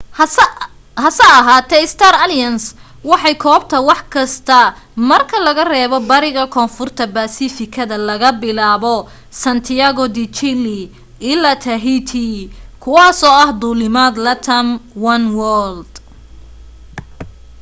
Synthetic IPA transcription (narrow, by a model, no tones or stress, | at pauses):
hɐsɐɐɦaːt̪ʰɛɪst̪ʰaɾɐljɐns | wɑħɑjkʰɔːbt̪ʰɐwɑħkʰɐst̪ʰɐmɐrkʰɐlɐɣɐrɛːβɔbɐɾɪɣɐkʰɔːnfʊrt̪ʰɐbaːsifɪkʰɐðɐlɐɣɐbɪlaːβɔ | sɐnt̪ʰɪaɣɔd̪it͡ʃɪlɪ | ɪlat̪ʰɐɦit̪ʰikʰʊwɑːsɔːɐhd̪uːlɪmaːd̪lɐt̪ʰɐmwɐnwɔld̪̥